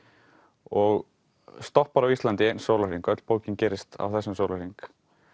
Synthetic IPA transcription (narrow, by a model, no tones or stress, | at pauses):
ɔɣ | st̪ɔhpaɾavist̪lant̪ɪejnsowlariŋkœt̪l̥poːwcɪncɛːɾɪst̪a̰vθɛsːʏmsowlariŋk